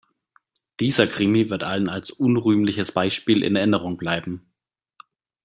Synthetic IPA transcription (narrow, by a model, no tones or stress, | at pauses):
d̥iːzɐkʁ̥ɪmivɪɐtʔalənalsʔʊnʁyːmlɪçəsb̥aɪʃpiːlʔɪ̰nɛɐʔɪnəʁ̞ʊŋblaɪbm̩